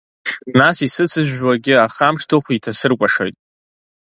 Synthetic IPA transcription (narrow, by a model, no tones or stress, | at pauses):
nasisɨt͡sʰɨʒᶣwaɡʲɪaχamʂtʰoχʷitʰasɨrkʷʼaʂo̰jtʼ